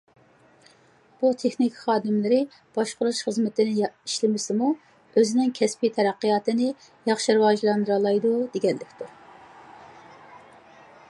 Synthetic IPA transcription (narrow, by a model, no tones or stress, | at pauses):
b̥ut̪ʰeχnikʲχɑːd̪ɪmlɪɾɪ | b̥ɑʃqʊɾuʃχəzmɪt̪ʰɪnɪiʃlɪmɪsɪmu | øzɪnɪŋkʲʰɛspit̪ʰɛɾæqːəjɑːt̪ɨnɪ | jɑχʃiɾɨwɑːʒlˠɑnd̪ɨɾɑlˠɑjd̪ud̪eɡʲɛnlːɪkʲt̪ʰuɾ